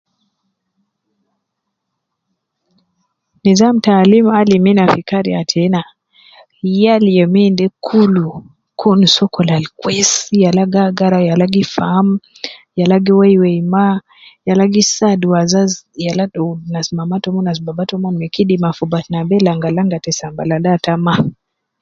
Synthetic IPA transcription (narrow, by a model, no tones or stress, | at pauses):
nizam̩talimaliminafikaɾiatʰɛna | jalijɛmindɛkʰulu | kʰunusɔkɔlalkwɛsjalaɡaɡaɾajalaɡifam | jalaɡiwɛjwɛima | jalaɡisaduwazazjaladɔnasmamatɔmunas̬babatɔmɔmɛkidimafubatnabɛlaŋɡalaŋɡatɛsamba̰ladatama